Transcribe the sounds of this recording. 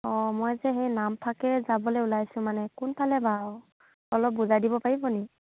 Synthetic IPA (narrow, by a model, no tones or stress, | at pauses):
ɔmɔjzɛxejnampʰakɛzabɔleulajsʊ̃manɛkunpʰalɛba | ɔlɔp̚buzadibɔpaɹibɔni